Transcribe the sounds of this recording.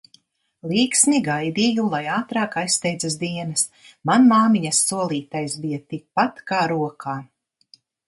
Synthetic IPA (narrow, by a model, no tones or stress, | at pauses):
lˠiːksnʲiɡajd̪ijulˠajaːt̪ɾaːkajsst̪ɛjd̪zas̬d̪iɛnɐs | manmaːmiɲɐsːuɔlˠiːt̪ajsbijat̪ik̚pat̪kaːɾuɔkʰaː